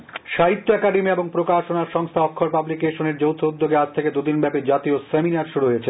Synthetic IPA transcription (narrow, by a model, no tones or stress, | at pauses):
ʃaɦit̪ːoɛkaɖemieboŋpɾokaʃonaɾʃɔŋst̪ʰaɔkʰːoɾepablikeʃoneɾd͡ʑowt̪ʰoud̪ːoɡead͡ʑt̪ʰeked̪ud̪inbɛpid͡ʑat̪ioseminaɾʃuɽuɦojet͡ɕʰe